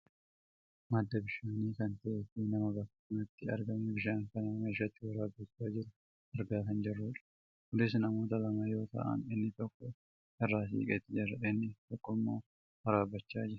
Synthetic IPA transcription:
mɐd̪ːɐbɪʃaːniːkɐnt̪ɐʔefɪnɐmɐbɐkːɐnɐt̪ːɪɐ̰ɾɡɐmɛbɪʃaːŋkɐnɐmeɪʃ̬ɐt̪ːɪwɐɾaːbːɐt͡ʃːaːd͡ʒɪɾʊ | ɐɾɡaːt̪ɐnd͡ʒɪrːuːᶑɐ̥ | ɡʊlɪs̬nɐmo̞ːt̪ɐlɐmɐjo̞ːt̪ɐ̰ʔɐ̰nɪnːɪt̪ɔkːɔ | ɛrːaːsḭːkʼɛt̪ːɪd͡ʒɪɾɐʔɪnːɪt̪ɔkːɔmːo̞ː | wɐɾaːbɐt͡ʃːaːd͡ʒɪɾɐ̥

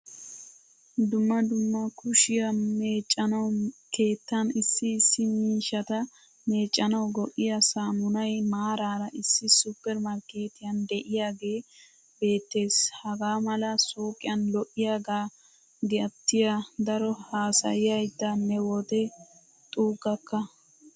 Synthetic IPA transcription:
d̪ʊmːɐd̪ʊmːɐkʊʃɪjɐmeːt͡ʃʼːɐnɐwke̞ːt̪ːɐnɪsːɪːsːɪmiːʃɐt̪ɐ | me̞ːt͡ʃʼːɐnɐwɡɔʔɪjɐsaːmʊnɐjmaːɾaːɾɐʔɪsːɪsʊpːɛɾmɐɾke̞ːt̪ɪjɐnd̪ɛʔɪjaːɡe̞ː | be̞ːt̪ːe̞ːshɐɡaːmɐlɐsuːkʼɪjɐnlɔʔːɪjaːɡaː | ɡɐt̪ːɪjad̪ɐɾɔhaːsɐ̰jɪjɐjt̪ːɐnːɛwɔt̪ɛ | t̪ʼuːkːɐkːɐ

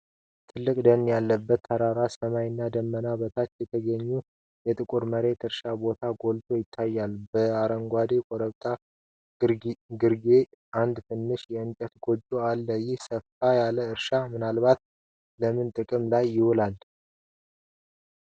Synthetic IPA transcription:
t̪ʰɨlːɨkʼd̪ənjalːəbːət̪ʰːaɾaɾasəmajɪnːad̪əmːənaβət̪ʰat͡ʃːjɛt̪ʰəɡəɲːu | jɛt̪ʼɨkʼuɾməɾe̞t̪ɨɾʃabo̞t̪ʰaɡo̞lt̪ʰo̞jɪt̪ʰːajːalbəaɾəŋɡʷad̪ekʼoɾəβt̪ʼa | ɡɨɾɡe | ʔand̪t̪ʰɨnːɨʃjɛɨnt͡ʃʼət̪ɡo̞d͡ʒoalːəjːɪhsəfajaləɨɾʃamɨnalβat̪ | ləmɨnt̪ʼɨkʼɨmlajːɪhulal

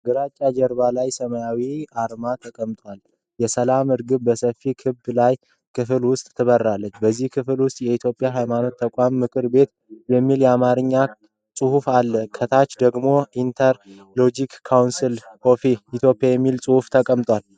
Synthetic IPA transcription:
ɡɨɾat͡ʃʼːad͡ʒɛɾβalajsəməjawiaɾmat̪ʰəkʼəmt̪ʼwal | jɛsəlamɨɾɡɨbbəsəfikʰɨbːlaj | kʰɨfɨlwʊst̪ʼʰːɨβəɾːalːət͡ʃːbəzːihkʰɨfɨlwʊst̪ʼjɛit̪ʰjo̞pʼːjaɦajmano̞t̪ʰːəkʷʼamːɨkʰɨɾbe̞t̪ | bəmːiljɛamaɾɨɲːa | sʼɨhufalːəkʰət̪ʰat͡ʃːd̪əɡmo̞ʔint̪ʰəɾ | lo̞d͡ʒikkʰːawnsilko̞fiit̪ʰjo̞pʼjajɛmːilsʼɨhuft̪ʰəkʼəmt̪ʼwal

